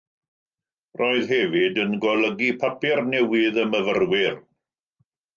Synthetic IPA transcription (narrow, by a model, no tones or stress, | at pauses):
rʔoːɨðɦɛvɪdənɡɔlˠəɡipʰapɪrnɛwɪðəməvərwɪr